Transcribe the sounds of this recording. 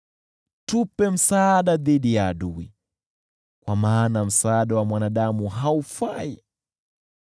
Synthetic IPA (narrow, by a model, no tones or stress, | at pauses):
tupɛm̩saːɗaðiɗijaːɗui | kwamaːnam̩saːɗawamwanaɗamuɦaufai